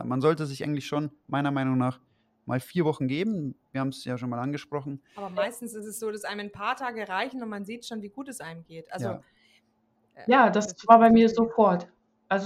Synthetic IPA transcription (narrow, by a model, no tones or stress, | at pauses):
manzɔltəzɪçʔa̰ɪŋ̩tlɪçʃoːnmaɪnɐmaɪnʊŋnaːχ | mʔa̰ːlfiːɐvɔχn̩ɡeːbm̩viːɐhabm̩sjaːʃoːnmaːlanɡəʃpʁ̥ɔχn̩aːbɐmaɪstn̩sɪstɛsz̥oːɾasʔaɪnəmanpʰaːɐtʰaːɡəʁaɪçn̩ʊntmanziːtʃoːnviːɡuːtɛsʔaɪnəmɡeːtʔa̰lzo | jaːdasv̥aːɐbaɪmiːɐzofɔɐt | ʔalz